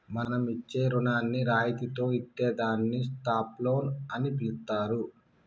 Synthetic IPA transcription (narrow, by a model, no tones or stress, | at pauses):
mɐnɐmit͡ʃːe̞ːɾunaːnːiɾaːjt̪it̪o̞ːiʈːeːd̪aːnːisʈaːplo̞ːnɐnipilut̪aːɾu